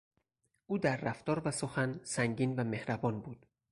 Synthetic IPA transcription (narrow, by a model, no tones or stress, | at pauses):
ʔuːd̪æɾːæft̪ɒːɾvæsoxænsæŋɟiːnvæme̞hɾæbɒːnbuːd̪̥